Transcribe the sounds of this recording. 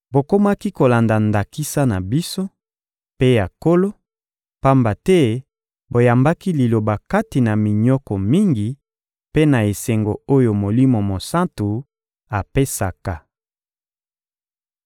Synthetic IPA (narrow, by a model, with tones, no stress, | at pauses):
bo˨ko˦ma˦ki˦ko˨la˨nda˨nda˨ki˦sa˦na˨bi˦so˦ | pe˦ja˨ko˦lo˦ | pa˦mba˨tɛ˦ | bo˨ja˨mba˦ki˦li˨lo˨ba˨ka˦ti˨na˨mi˨ɲɔ˦kɔ˨mi˦ŋɡi˨ | pe˦na˨e˨se˨ŋɡo˨o˦jo˨mo˨li˦mo˨mo˨sa˦ntu˨ | a˨pe˦sa̰˨ka˨